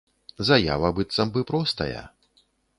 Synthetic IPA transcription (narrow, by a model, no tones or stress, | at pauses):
zɐja̰vɐbɨt̪sɐmbɨpɾɔst̪ɐ̰jɐ̰